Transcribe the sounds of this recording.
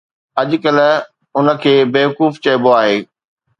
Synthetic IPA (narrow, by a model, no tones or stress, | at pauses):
ɐʄʊ̆kəl | ʊnə̆kʰeːbeːʋɐkuːft͡ɕɐɪboaːɦeː